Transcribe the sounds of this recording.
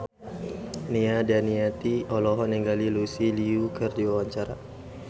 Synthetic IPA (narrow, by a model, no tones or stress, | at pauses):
niadaniat̪iɔlɔɦɔnɛŋɡalilusiliukərdiwawaɲt͡ʃaɾa̰